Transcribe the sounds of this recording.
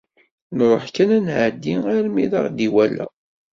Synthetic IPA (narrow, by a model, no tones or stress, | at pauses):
nɾˤoħkænænʕəd̪ːiŋaɾmiðɑ̰ʁd̪iwælæ̰